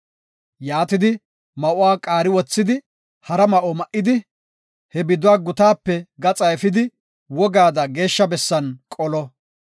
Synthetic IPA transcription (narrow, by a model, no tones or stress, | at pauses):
jaːt̪ɪd̪ɪ | mɐʔʊwaːkʼaːɾɪwɔt͡sːɪd̪ɪ | hɐɾɐmɐʔɔmɐʔɪd̪ɪ | hɛbɪd̪ʊwaːɡʊt̪aːpːɛɡɐt͡sʼɐjɛfɪd̪ɪ | wɔɡaːd̪ɐɡe̞ːʃːɐbɛsːɐnkʼɔlɔ